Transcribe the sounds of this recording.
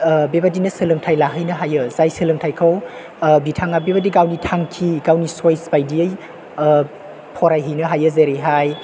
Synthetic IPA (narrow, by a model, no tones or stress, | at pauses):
bebadinɐsɯlɯŋtʰajlaɦɯjnɐɦajɯzajsɯlɯŋtʰajkʰaw | bitʰaŋabebadiɡawnitʰaŋkʰiɡawnisojsbajdiəj | pʰɔɾajɦɯjnɯɦajɯzeɾiɦaj